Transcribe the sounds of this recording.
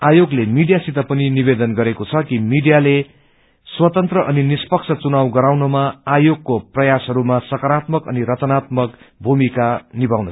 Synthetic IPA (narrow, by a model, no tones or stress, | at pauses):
ajoɡlemiɖijasit̪apʌninibed̪ʌnɡʌɾekot͡sʰʌkimiɖijale | swʌt̪ʌnt̪rʌʔʌninispʌkt͡sʰʌt͡sunawɡʌɾawnʌmaajoɡ̚koprʌjasɦʌɾumasʌkʌɾat̪mʌkʌ̰niɾʌt͡sʌnat̪mʌkbʱumikanibawnʌ